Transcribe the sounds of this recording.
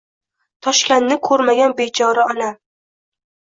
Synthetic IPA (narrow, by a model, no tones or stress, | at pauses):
t̪ʰɒʃkʲanːɪkʰɵɾmaɡʲanbet͡ʃʰɒɾaɒna